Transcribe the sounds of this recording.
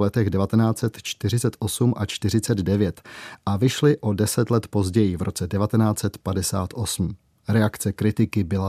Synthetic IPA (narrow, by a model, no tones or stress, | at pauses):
lɛt̪ɛɣdɛvat̪ɛnaːt͡sɛt̪t͡ʃt̪ɪr̝ɪt͡sɛt̪ʔo̞sumʔat͡ʃt̪ɪr̝ɪt͡sɛd̪dɛvjɛt̪ʔavɪʃlɪʔo̞dɛsɛt̪lɛt̪po̞zɟɛjɪvɾʔo̞t͡sɛdɛvat̪ɛnaːt͡sɛt̪padɛsaːt̪ʔo̞sm̩ | ɾɛakt͡sɛkɾɪt̪ɪkɪbɪla